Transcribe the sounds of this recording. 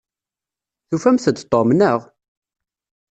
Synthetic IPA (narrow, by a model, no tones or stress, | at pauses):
θufæmθəd̪t̪ˤːomnəʁ